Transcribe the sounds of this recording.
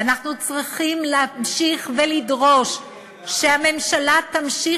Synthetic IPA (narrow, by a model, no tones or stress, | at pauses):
anaχnut͡sʁiχimlːmʃiχvelidʁo̞ʃ | ʃeame̞mʃalat̪amʃi